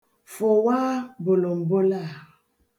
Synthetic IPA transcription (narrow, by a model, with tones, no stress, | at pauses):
fo˨wa˦bo˨lo˨m̩˨bo˦la˦˨